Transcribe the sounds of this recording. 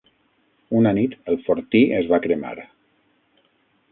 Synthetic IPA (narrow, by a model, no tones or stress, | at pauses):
unanit̪əlˠfoɾt̪iəzβakɾema̰ɾ